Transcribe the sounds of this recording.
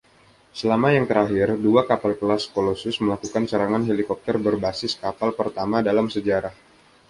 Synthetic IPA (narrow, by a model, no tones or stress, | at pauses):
səlamajaŋt̪əɾaɦɪrduakapalkəlaskolosʊsməlakukansəɾaŋanɦelikɔp̚t̪ərbərbasɪskapalpərt̪amadalamsəd͡ʒaɾah